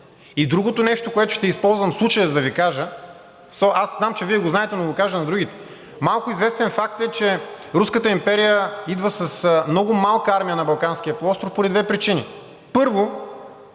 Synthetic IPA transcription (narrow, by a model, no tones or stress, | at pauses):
id̪ɾuɡot̪onɛʃt̪okoɛt̪ʊ̥ʃt̪ɛispɔlˠzvɐmslˠut͡ʃəjəzd̪ɐvikaʒə | soʔasznamt͡ʃɛviɛɡoznaɛt̪ɛnoɡokaʒənɐd̪ɾuɡʲit̪ɛ̥ | malˠkʊizvɛst̪ɛnfak̚t̪ɛt͡ʃɛ | ɾuskət̪əimpɛɾijəid̪vəsɐsmnɔɡʊmalˠkəaɾmijənɐbɐlˠkanskijəplˠɔst̪ɾfpoɾid̪vɛpɾit͡ʃini | pɤɾvo